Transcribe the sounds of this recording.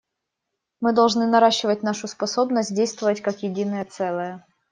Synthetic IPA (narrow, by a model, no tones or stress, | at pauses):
mɨd̪ɐlˠʐnɨnɐɾaɕːɪvətʲnaʂʊspɐso̞bnəsʲt̚ʲdʲejst̪vəvətʲkakjɪdʲinəjət̪sɛlˠəjə